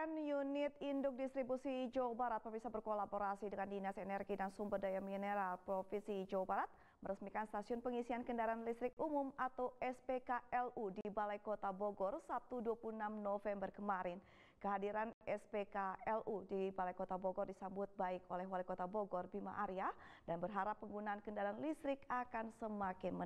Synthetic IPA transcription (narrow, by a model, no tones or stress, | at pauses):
ɛnjunɪt̪indʊk̚dist̪ɾibusid͡ʒawabaɾat̪̚pərbisabərkolaboɾasidəŋandinasɛnɛrɡidansumbərdajamineɾalpɾofisid͡ʒawabaɾat̪̚ | məɾəsmikanst̪asiʊnpəŋisiankəndaɾaanlist̪ɾɪk̚umʊmat̪awɛspekaɛludibalajkot̪aboɡɔrsap̚t̪uduapulunamnofɛmbərkəmaɾɪn | kəɦadiɾanɛspekaɛlʔudibalajkot̪aboɡɔrdisambʊt̪̚baɪkolɛɦwalikot̪aboɡɔrbima̰ʔaɾiadanbərɦaɾapːəŋɡunaankəndaɾaanlist̪ɾɪkakansəmakɪnmə